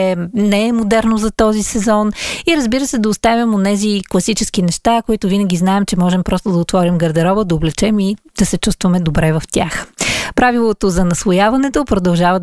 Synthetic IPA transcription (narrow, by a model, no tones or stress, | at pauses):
ɛnɛɛmod̪ɛɾnozɐt̪ɔzisɛzɔniɾəzbiɾəsɛd̪ɐost̪avʲɐmonɛziklˠɐsit͡ʃɛsk̟inɛʃt̪akoit̪ʊvinəɡʲiznaɛmt͡ʃɛmɔʒɛmpɾɔst̪od̪ɐot̪vɔɾimɡɐɾd̪ɛɾɔbəd̪ɐoblɛt͡ʃɛmid̪̥ɐsɛt͡ʃust̪vɐmɛd̪obɾɛvɐft̪ʲaxpɾavilˠot̪ozɐnɐsvˠojavɐnɛt̪opɾod̪ɐlˠʒavɐ